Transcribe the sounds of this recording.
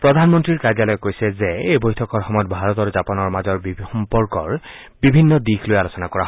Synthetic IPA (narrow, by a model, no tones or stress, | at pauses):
pɹɔdʱanmɔntɹiɹkaɹd͡ʒalɔjɔkːojsɛzeejbojtʰɔkɔɹxɔmɔjɔt̚bʱaɹɔtɔɹzapɔnɔɹmazɔɹbixɔmpɔɹkɔɹ | bibʱinːɔdixlojalosɔnakɔɹaɦ